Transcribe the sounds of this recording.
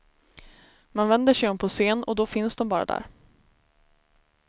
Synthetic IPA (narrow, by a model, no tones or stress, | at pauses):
manvɛnd̪əʂɛjɔmːpʰɔseːnɔ̰d̪ɔfɪnsd̪ɔmbɑːɾa̰d̪æ̰ːɾ